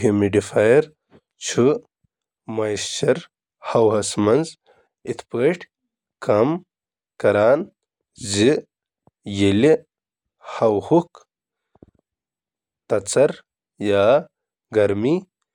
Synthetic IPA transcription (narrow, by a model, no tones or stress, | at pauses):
ɦimiɖifajɐɾ | t͡ɕʰu | mɐjsɕɐɾ | hɐwɦɐsmɐnz | it̪ʰpəʈ | kɐm | kɐɾaːn | zi | jeli | hɐwhuk | t̪ɐt͡sɐɾ | jaː | ɡɐɾmi